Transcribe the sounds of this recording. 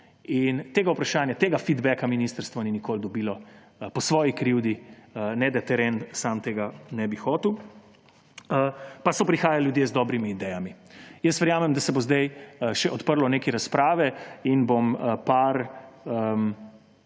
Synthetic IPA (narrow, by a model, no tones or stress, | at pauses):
int̪eːɡaupɾaʃaːnjat̪eːɡafid̪bɛkaminist̪əɾst̪ʋɔninikold̪ɔbilɔ | pɔsʋɔːjikɾiwd̪iənɛd̪ɛt̪ɛɾensamt̪eːɡanɛbixɔːt̪iw | əpasɔpɾixaːjalljud̪jezd̪ɔːbɾimiːd̪ɛjami | jəst̪ʋɛɾjaːmɛmd̪asɛbozd̪ajʃɛʔɔt̪pəɾlɔneːkiɾaspɾaːʋɛinboməpaɾəm